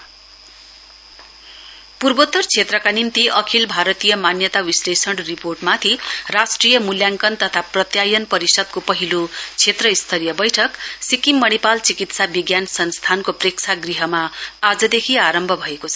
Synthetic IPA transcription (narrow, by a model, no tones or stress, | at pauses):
purbot̪ːʌrt͡sʰet̪rʌkanint̪iʔʌkʰilbʱaɾʌt̪ijʌmanjʌt̪awislesʌɽriporʈmat̪ʰirasʈrijʌmuljaŋkʌnt̪ʌt̪ʰaprʌt̪jajʌnpʌɾisʌd̪̚kopʌɦilot͡sʰet̪rʌist̪ʰʌɾijʌbʌjʈʰʌksikimːʌɽipalt͡sikit̪sabiɡjansʌnst̪ʰankopreksʰaɡriɦʌmaad͡zʌd̪ekʰiaɾʌmbʱʌbʱʌekot͡sʰʌʌ